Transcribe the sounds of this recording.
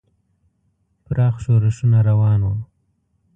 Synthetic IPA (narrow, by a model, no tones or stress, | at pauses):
pɾɑːxʃoɾɪʃunaɾawɑːnwa